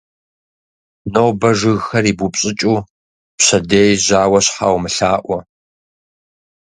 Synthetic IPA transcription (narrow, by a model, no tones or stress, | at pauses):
nowbɐʒɨɣxɐriːbupʼɕʼɪt͡ʃʼuː | pɕɐdeːjʑaːwɐɕħa̰ːwmɨɬaːʔʷɔ